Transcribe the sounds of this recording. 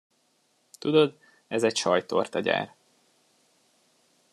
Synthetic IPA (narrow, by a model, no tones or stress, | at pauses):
t̪ud̪od̪ | ɛzɛcʃɒjt̪o̞̰rt̪ɒɟa̰ːr